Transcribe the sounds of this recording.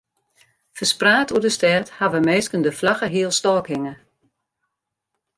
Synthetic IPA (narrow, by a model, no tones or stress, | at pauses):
fərspraːtʰuədəstɛrthaʋəmeːskəndəflaxəɦiəlˠstɔːkɪŋə